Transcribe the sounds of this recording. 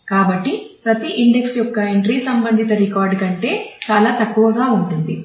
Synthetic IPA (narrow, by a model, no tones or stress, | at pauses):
kaːbɐʈːipɾɐt̪iʔiɳɖeksjɔkːɐeɳʈɾiːsɐmbɐnd̪ʱit̪ɐɾikaːɾɖkɐɳʈe̞ːt͡ʃaːlaːt̪ɐkːuʋɐɡaːuɳʈund̪i